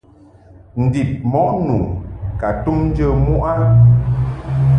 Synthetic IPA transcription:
n̩˨di˨p̚mɔ˨˦nu˨ka˨tu˦mn˦d͡ʒə˦mu˦ʔa˦

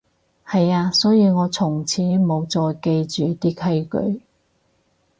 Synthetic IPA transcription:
hɐ˨jaː˧sɔː˨˥jiː˧wŋɔː˨˧t͡sʰʊ˨˩ŋt͡sʰiː˨˥mo˨˧wt͡sɔː˨jke˧jt͡ʃyː˨t̪iː˥kʰɐ˥jkɵ̰˨˥ɥ

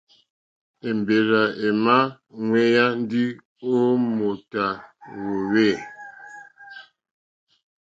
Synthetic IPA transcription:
e˨m˨be˨ɾa˨e˨ma˦ | ŋwe˦ja˦n̩˦di˦ | o˦mo˨ta˨wo˨we˦˨

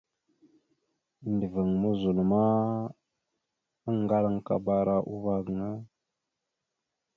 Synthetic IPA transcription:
ndə˨və˨ŋmə˦zu˨lma˦ | ə˦ŋ˨ɡa˦la˦ŋka̰˨ba˨ɾa˨ʔu˦va˦ɡə˨ŋə˦

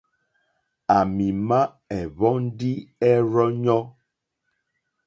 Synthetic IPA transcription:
a˨mi˨ma˦ | ɛ˨βɔ˦n˦di˦ɛ˦ɾɔ˦ɲɔ˦

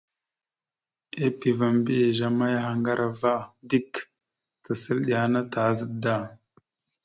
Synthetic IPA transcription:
e˦pi˨va˨mbi˦je˨ʒa˦ma˦ja˦ɦa˨ŋɡa˦ɾʔa˨va˦di˦k | tə˨sə˦lɗi˨a˨na˦ta˨˦zə˦da˦˨

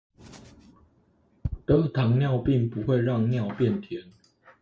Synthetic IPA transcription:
t̪ə˨˦˥t̪ʰɑ˨˦ŋnjɑ˥˨ʊpi˥˨ŋpu˨˦xwe˥˧ɪɻɑ˥˨ŋnjɑ˥˨ʊpjɛ˥˨nt̪ʰjɛ˨˦n

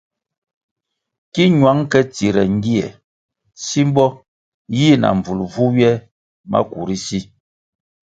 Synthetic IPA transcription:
ki˦ɲwa˨˦ŋkɛ˦t͡si˨ɾɛ˨ŋ˦ɡi˦ɛ̰˨ | si˦m˦bɔ˦ | ji˦na̰˨ɱ˨b͡vu˨lvu˦wjɛ˦ | ma̰˦ku˨ɾi˦si˦

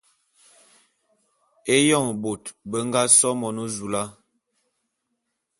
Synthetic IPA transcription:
e˦jɔ˦˨ŋ˨bo˨tbə˦ŋ˦ɡa˦sɔ˦mɔ˨no˦zu˨la˦

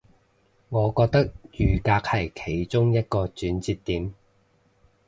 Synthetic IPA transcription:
ŋɔː˨˧kɔː˧k̚t̪ɐ˥k̚jyː˨˩kaː˧k̚hɐ˨˩jkʰe˨˩jt͡ʃʊ˥ŋjɐ˥t̚kɔː˧t͡ʃyː˨˧˥nt͡siː˧t̪ːiː˨m

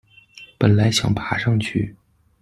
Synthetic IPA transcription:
pə˨˩nla˧˥ɪɕjɑ̰˨˩ŋpʰa˧˥ʂɑ˥˧ŋt͡ɕʰy˥˩

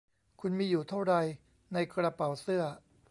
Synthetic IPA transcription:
kʰu˧nmiː˧juː˨˩t̪ʰa˥˩wɾa˧j | na˧jkɾa˧pa˨˩wsɯ˥˩ɐ

